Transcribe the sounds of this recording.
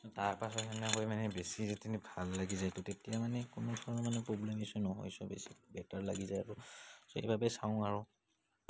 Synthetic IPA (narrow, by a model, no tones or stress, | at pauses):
ɔtaɹpasɔtɛnɛɦojmanɛbesizɛtinibʱalːaɡizajtʊtetijamanɛkʊnʊdʱɔɹɔnɔmanɛpɹoblɛmisɔnɔɦo̰jsɔbḛsi̥bɛtaɹlaɡizajaɹʊsohḛbʱabɛsaʊ̃aɹʊ